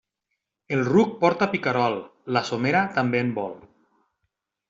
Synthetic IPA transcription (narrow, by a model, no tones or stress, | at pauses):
elˠruk̚pɔɾt̪apikaɾɔlˠlasomeɾat̪ambeːmbɔl